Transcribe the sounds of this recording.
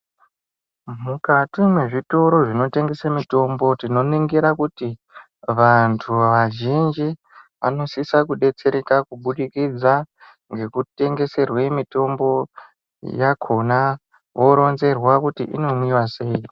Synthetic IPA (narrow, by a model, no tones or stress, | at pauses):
mukatimwe̞ʐito̞ɾo̞ʐino̞te̞ŋɡe̞samito̞mbo̞tino̞niŋɡiɾakuti | ʋantʰuʋaʒind͡ʒi | ʋano̞sisakuɗe̞t͡se̞ɾekakuɓuɗikid͡za | ŋɡe̞kute̞ŋɡe̞se̞rwe̞mito̞mbo̞ | jakʰo̞na | ʋo̞ɾo̞nze̞rwakutḭʔḭno̞mwiwase̞i